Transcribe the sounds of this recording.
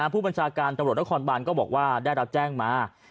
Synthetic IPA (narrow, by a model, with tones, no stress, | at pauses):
a˦˥pʰuː˥˩ba˧nt͡ɕʰaː˧kaː˧nt̪mɾu˨˩t̪n˦˥kʰɔː˧nbaː˧nkɔː˥˩bɔː˨˩k̚waː˥˩daː˥˩jɾa˦˥p̚t͡ɕɛː˥˩ŋmaː˧˥